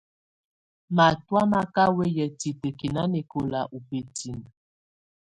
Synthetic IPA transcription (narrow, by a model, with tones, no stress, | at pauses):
ma˨twa˦ma˦ka˦we˦jə˨ti˨tə˨ki˨na˦ne˨ko˨la˨ʔu˨pe˨ti˨n˨